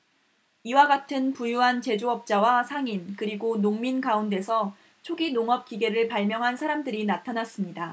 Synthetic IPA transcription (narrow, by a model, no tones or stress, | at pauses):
iwaɡatʰɯnpujuɦant͡ɕe̞d͡ʑoʌp̚t͡ɕ͈awasʰaŋinkɯɾiɡonoŋminkaunde̞sʰʌ | t͡ɕʰoɡinoŋʌp̚k͈iɡe̞ɾɯɭpaɭmjʌŋɦansʰaɾamdɯɾinatʰanas͈ɯmɲida